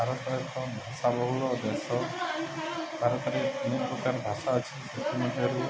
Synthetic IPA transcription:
bʱaɾɔt̪ɔkɔbʱasabɔɦulɔd̪esɔ | bʱaɾɔt̪ɔɾeniʔkut̪aɾbʱasaət͡ʃʰi̥sit̪ʰimɔt̪iɔɾu

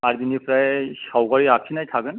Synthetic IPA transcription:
aɹd̪inipɹajsawɡaɹiakʰinajtʰaɡɯn

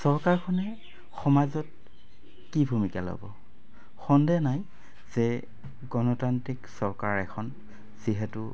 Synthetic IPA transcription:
sɔɹkaɹkʰɔnɛ | xɔmazɔt̚ | kibʱumika̰lɔ̰bɔ̰ | xɔndɛjnaj | z̥ɛ | ɡɔnɔtantiksɔɹkaɹɛkʰɔn | z̥iɦɛtʊ

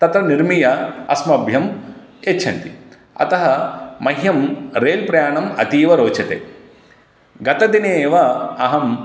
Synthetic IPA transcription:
t̪ɐt̪ɾɐniɾmijɐɐ̰smɐbʱjɐm | et͡ʃːt͡ʃʰːɐ̰ɳʈ̪i | ɐ̰t̪ɐɦɐmɐɦjɐmɾeːlpɾɐjaːɳɐmɐt̪iːʋɐɾoːt͡ʃɐt̪ḛː | ɡɐt̪ɐd̪ineːʋɐɐɦɐm

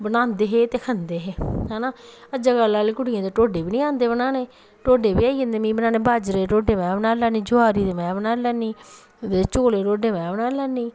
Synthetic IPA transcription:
bənãːnd̪eːɦeːt̪eːkʰənd̪eːɦeːɦɛːnaːəd͡ʒaːɡalːaːleːkʊɽijãːd̪eːʈoːɖeːbiːnĩːãːnd̪eːbnaːneː | ʈoːɖeːbiːaːiːə̃nd̪eːmĩːbənaːneːbaːd͡ʒɾeːɾoːɖeːmɛ̃ːbənaːlaːniːd͡ʒʊaːɾiːd̪eːmɛ̃ːbənaːlɛːnːiː | d̪et͡ʃoːleːɾoːɖeːmɛ̃ːbənaːnlɛːnːiː

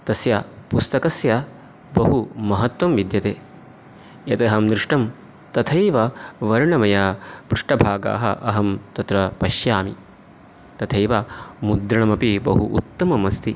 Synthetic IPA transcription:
t̪ɐsjapust̪ɐkɐsjɐ | bɐɦumɐɦɐt̪ʋɐmʋid̪jɐt̪eː | jɐt̪ɐɦɐmd̪ɾɪʂʈɐm | t̪ɐt̪ʰɐjʋɐʋɐɾɳɐmɐjapɾɪʂʈɐbʱaːɡa̰ːɦɐ̰ʔɐɦɐmt̪ɐt̪ɾɐpɐʃjaːmi | t̪ɐt̪ʰɐjʋamud̪ɾɐɳɐmɐpibɐ̰ɦuʔṵt̪ːɐmɐmɐst̪i

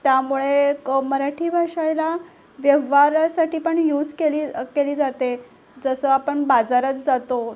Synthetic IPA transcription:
t̪jamuɭekməɾaʈʰiːbʱaʂajla | ʋjəʋ̤aɾsaʈiːpəɳjud͡zkeliːkeliːd͡zat̪e | d͡zəsəapəɳbad͡zaɾət͡sd͡zat̪o

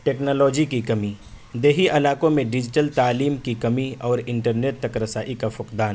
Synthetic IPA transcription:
ʈeːknɔːlɔːd͡ʒikikɐmi | d̪eːɦiʔɐlaːkõmẽɖɪd͡ʒɪʈəlt̪aːliːmkikɐmiɔːɾɪ̃ɳʈəɾneːʈ̚t̪ɐkɾɐsaːʔikafʊqd̪aːn

